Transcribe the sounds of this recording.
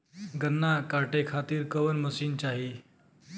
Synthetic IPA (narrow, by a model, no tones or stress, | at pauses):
ɡənːakaʈekʰat̪iːɾkəʋənməsiːnt͡ɕaɦi